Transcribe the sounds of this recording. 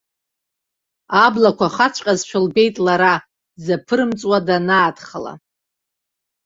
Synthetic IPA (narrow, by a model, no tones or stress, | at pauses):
ablakʷʰaχat͡ɕʷʰʼqʲʼazʃᶣalbe̞jtʼlaɾa | zapʰɨɾɨmt͡sʼwadanaːdχala̰